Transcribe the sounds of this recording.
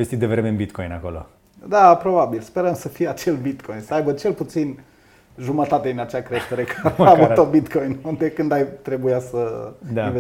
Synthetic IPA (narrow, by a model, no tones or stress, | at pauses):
est̪it̪̚d̪evɾemeɨnbit̪kojna̰ko̞lo̰ | d̪apɾo̞babilspe̞ɾəmsəfijeat͡ʃe̞lbit̪kʰo̞jnsəajbət͡ʃe̞lput̪sin | ʒumət̪at̪ed̪inat͡ʃeakɾe̞ʃt̪e̞ɾe̞kaavut̪obit̪kʰojnund̪ekɨnd̪ajt̪ɾe̞bujasəd̪ave